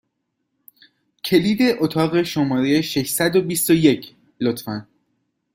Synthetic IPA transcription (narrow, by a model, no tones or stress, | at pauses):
cʰe̞liːd̪e̞ʔot̪ʰɒːɣe̞ʃo̞mɒːɾejeʃe̞ʃsæd̪obist̪oje̞cʰ | lot̪fæn